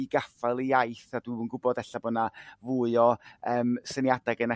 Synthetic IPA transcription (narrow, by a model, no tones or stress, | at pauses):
iɡafalˠiajθad̥uənɡʊbɔdɛɬabɔnavʊɨɔəːmsənjadaɡənɛ